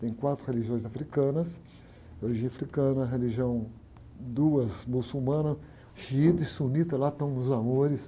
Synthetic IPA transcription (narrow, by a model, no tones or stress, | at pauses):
t̪ẽj̃kwat̪ɾʊheliʒiõj̃zafɾikɐ̃nɐs | oliʒĩafɾikɐ̃nɐɦeliʒiɐ̃w̃ | d̪uɐzmusumɐ̃nɐ | ʃiit̪ɐɪsunit̪ɐlat̪ɐ̃w̃nʊzamoɾɪs